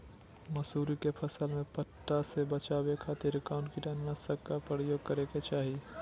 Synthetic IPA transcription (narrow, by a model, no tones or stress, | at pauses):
məsuːɾikepʰəsəlmẽpəʈːasebət͡ʃabekʰat̪ɪɾkaʊnkiʈannasəkkapɾəjoːɡ̚kəɾeket͡ʃaːɦi